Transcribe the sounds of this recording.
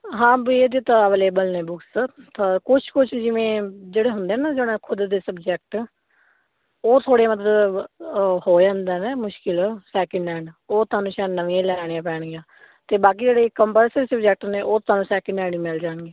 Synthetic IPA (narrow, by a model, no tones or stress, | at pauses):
ɦãːbieːd̪eːt̪aʋleːbəlneːbʊkst̪akʊt͡ʃʰkʊt͡ʃʰd͡ʒɪʋẽːd͡ʒeːɽeːɦʊnd̪eɦɛːnaːd͡ʒoːɽãːkʰʊd̪d̪eːsəbd͡ʒɛːk̚ʈ | oːt̪ʰoːɽemət̪ləb | hoːd͡ʒãːnd̪ɛːneːmʊʃkɪlsɛːkɪɳɛ̃ːɳɖoːt̪ʊaːnũːʃaːnəʋĩːãːlɛːɽ̃jãːpɛːɳɡiãː | t̪eːbaːk̬iːd͡ʒeːɽeːkəmpəɾsɾːsəbd͡ʒɛːk̚ʈneːʔoːt̪ʰʊaːnũːsɛːkɪɳɛːɳɖiːmeld͡ʒaːɳɡeː